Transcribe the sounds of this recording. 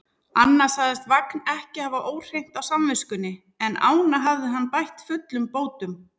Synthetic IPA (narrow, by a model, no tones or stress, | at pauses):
anːḁsaɣðɪst̪vaknɛhcɪhavaʔoːwr̥ejŋ̥t̪awsamvɪskʏnːɪ | ɛna̰ːwnaɦavðɪɦanːpajht̪fʏt̪lʏmpoːwt̪ʏm